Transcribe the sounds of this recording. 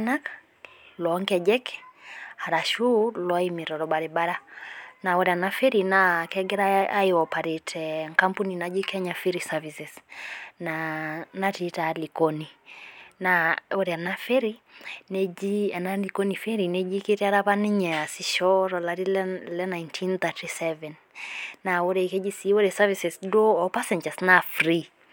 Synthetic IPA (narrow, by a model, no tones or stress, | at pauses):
nak | lɔɔŋkɛd͡ʒɛkhaɾaʃulɔaimiɾɔɾɔɓaɾɛbaɾanaɔɾɛanafɛɾinakɛɡɛɾaaiɔpaɾɛtɛŋkampuninad͡ʒikʰɛɲafiɾisavisɛsnanatitalikɔninaoɾeanafeɾinɛinalikonifeɾinɛd͡ʒiketeaɾaβanɪɲɛasiʃɔɾɔlaɾillɛnajntʰinθatisɛvɛnː | aoɾeiked͡ʒisioɾesavisɛsdoɔpasɛɲd͡ʒasnafri